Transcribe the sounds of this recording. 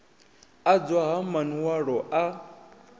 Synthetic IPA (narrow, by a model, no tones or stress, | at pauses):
ad͡zwaɦamaniwaɺɔʔa